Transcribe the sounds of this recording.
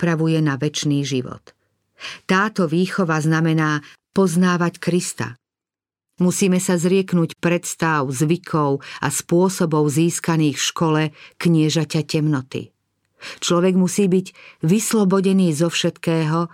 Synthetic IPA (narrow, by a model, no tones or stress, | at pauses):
pɾaʋujɛnaʋɛt͡ʃniːʒiʋɔ̰t̪ː | aːt̪ɔʋiːxɔʋaznamɛnaːpɔznaːʋackɾist̪a̰ | musiːmɛsazɾɪɛknuːcpɾɛt̪st̪aʊzʋikʰɔʊa̰spʊɔsɔbɔʊziːskaniːxfʃkɔlɛkɲɪɛʒacacɛmnɔt̪ḭ | t͡ʃlɔʋɛɡmusiːbiɟʋislɔbɔɟɛniːzɔfʃɛt̪kɛːɦɔ